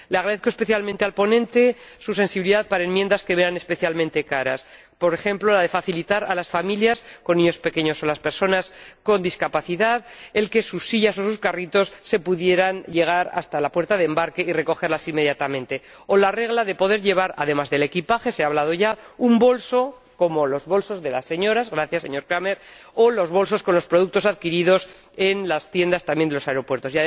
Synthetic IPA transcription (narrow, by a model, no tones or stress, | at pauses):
leaɣɾaðeθkoespe̞θjalmẽnt̪e̞alpo̞nẽ̞nt̪e̞suse̞nsiβiliðaðpaɾaemje̞nd̪aske̞βeɾane̞speθjalmẽnt̪e̞kaɾa̰s | po̞ɾe̞xe̞mplo̞laðe̞faθilit̪aɾalasfamiljasko̞nːĩɲo̞spe̞ke̞ɲo̞solaspe̞ɾso̞nasko̞nd̪iskapaθiðaðe̞lke̞susːiʎaso̞suskarit̪o̞sːe̞puðje̞ɾanʎe̞ɣ̞aɾa̰st̪alapwe̞ɾt̪aðembaɾke̞ire̞ko̞xe̞ɾlasimːe̞ðjat̪amẽ̞nt̪e̞ | o̞lare̞ɣlaðe̞po̞ðe̞ɾʎe̞β̞aɾa̰ðe̞mazðe̞le̞kipaxe̞seaβ̞lað̞o̞ʝaumbo̞lso̞ | ko̞mo̞lo̞zβo̞lso̞zðe̞lasːe̞ɲo̞ɾazɣɾaθjasːe̞ɲo̞ɾkɾame̞ɾolo̞zβ̞o̞lso̞sko̞nlo̞spɾo̞ð̞uk̚t̪o̞saðkiɾiðo̞s | e̞nlast̪je̞nd̪ast̪ambjnd̪elo̞saeɾo̞pwe̞ɾt̪o̞sjað